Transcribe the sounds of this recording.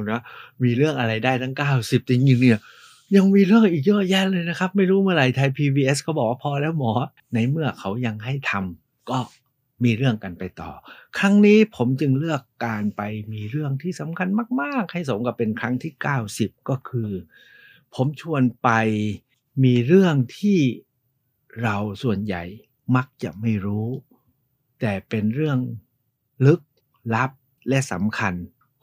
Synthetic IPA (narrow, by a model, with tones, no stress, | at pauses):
nɔ˦˥miː˧ɾɯ˥˩əŋʔa˧ɾa˧jdaː˥˩jt̪ʰa˥˩ŋkaː˥˩wsi˨˩p̚t̪i˧˩ŋɲi˧ŋni˥˩ə | ja˧ŋmiː˧ɾɯ˥˩əŋʔiː˨˩k̚jɔː˥˩ʔjɛː˦˥nlɤː˧jna˦˥kʰa˦˥p̚ma˥˩jɾuː˦˥mɯ˥˩ɐɾa˧jt̪ʰa˧jpʰiː˧biː˧ʔe˦˥skʰɔː˥˩bɔː˨˩k̚waː˥˩pʰɔː˧lɛː˦˥˩wmɔː˩˦ | na˧jmɯ˥˩ɐkʰa˦˥wja˧ŋɦa˥˩jt̪ʰa˧m | kɔː˥˩ | miː˧ɾɯ˥˩əŋka˧npa˧jt̪ɔ̰ː˨˩kʰɾa˦˥ŋniː˦˥pʰo˩˦mt͡ɕɯ˧ŋlɯ˥˩əkːaː˧npa˧jmiː˧ɾɯ˥˩əŋt̪ʰiː˥˩sa˩˦mkʰa˧nmaː˥˩k̚maː˥˩k̚ha˥˩js̬o˩˦ŋka˧˩pe˧nkʰɾa˦˥ŋt̪ʰiː˥˩kaː˥˩wsi˨˩p̚kɔː˥˩kʰɯː˧ | pʰo˩˦mt͡ɕʰu˧ənpa˧j | miː˧ɾɯ˥˩əŋt̪ʰiː˥˩ | ɾa˧wsu˨˩ənja̰˨˩j | ma˦˥k̚t͡ɕa̰˨˩ʔma˥˩jɾuː˦˥ | t̪ɛː˨˩pe˧nɾɯ˥˩əŋ | lɯ˦˥k̚ | la˦˥p̚ | lɛ˦˥ʔsa̰˩˦mkʰa˧n